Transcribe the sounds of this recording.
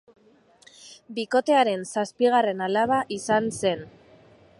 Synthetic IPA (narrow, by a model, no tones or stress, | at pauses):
biko̞t̪e̞aɾe̞nsaspiɣ̞are̞nalaβaʔisanse̞n